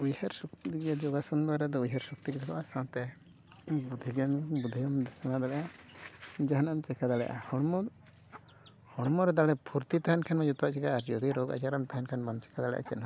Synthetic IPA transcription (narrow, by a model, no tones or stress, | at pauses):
ujhɛɾsɔkt̪iɡad͡ʒɔɡasunbaɾɛd̪ɔujɦɛɾsɔk̚t̪iɡd̪ɛkɔʔasãt̪ɛ | bud̪ʱiɡɛnbud̪ʱiɡɔmd̪ɛsanad̪alɛʔa | d͡ʒaɦanamt͡ʃɛkad̪alɛ̰jʔa̰hɔɽmɔ | hɔɽmɔɾɛd̪aɽɛpʰuɾt̪it̪aɦankʰanmɛd͡ʒɔt̪aʔt͡ʃɛɡaːɾd͡ʒɔd̪iɾɔɡa̰d͡ʒaɾamt̪aɦankʰanbant͡ʃɛ̥kʰad̪alɛ̰ʔa̰t͡ʃɛna